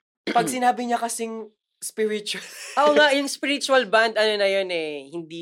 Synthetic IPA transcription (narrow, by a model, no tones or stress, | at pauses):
pɐɡsɪnaːbɪɲɐkɐsɪŋ | spɪɾɪt͡ʃʊɐlʔɐʔoŋaʔjʊŋspɪɾɪt͡ʃuɐlband̪ʔɐno̞nɐjonɛhɪnd̪iː